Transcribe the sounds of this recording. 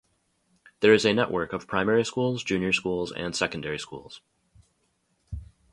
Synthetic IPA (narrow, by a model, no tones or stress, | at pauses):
ðə˞ɨzɨnɛʔwʔɜ˞kʌv̥pʰɹ̥ãɪ̃mɛɹiskulˠzd͡ʒʉ̃njə˞skulˠzɨ̰̃nsɛkn̩dɛɹiskṵlˠz̥